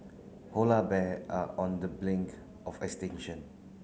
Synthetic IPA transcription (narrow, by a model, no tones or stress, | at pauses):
holabɛaɔ̃ndəblɪ̃ŋk | ʔɔfɛkstɪ̃ŋʃə̃n